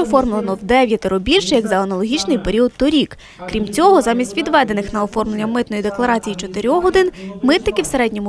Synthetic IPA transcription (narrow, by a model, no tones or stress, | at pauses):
ɔfɔrmlˠenɔwd̪ɛʋʲjɐt̪ɪɾɔbʲilʲʃɛjɐɡzɐɐnɐlˠɔɦʲit͡ʃnɪjpe̞ɾʲiɔd̪t̪ɔɾʲik | kɾʲimt͡sʲɔɦɔzɑmʲisʲtʲʋʲid̪ʋɛd̪e̞nɪxnɐɔfɔrmlˠenʲːɐmɪt̪nɔjid̪e̞klˠɐɾɑt͡sʲijit͡ʃɔt̪ɪɾʲɔxɔd̪ɪnmɪt̪nɪkʲɪwseɾɛdʲnʲɔmʊ